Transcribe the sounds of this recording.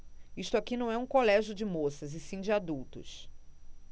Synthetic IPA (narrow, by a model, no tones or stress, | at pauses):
iʃt̪ʊakinɐ̃w̃ɛũkolɛʒʊd͡ʒɪmosɐzɪsĩd͡ʒɪad̪uwt̪ʊ̰s